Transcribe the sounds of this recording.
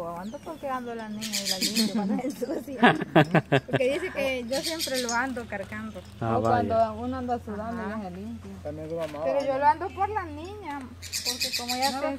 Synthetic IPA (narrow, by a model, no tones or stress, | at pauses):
aand̪opoɾkeand̪olanĩɲaelalimpjoand̪aensusjonpoɾkeðisekeʝosjempɾeloand̪okaɾkand̪oaokwand̪ounãnd̪asuðand̪onihalimpjomapeɾoʝoloand̪opoɾlanĩɲapoɾkekomoja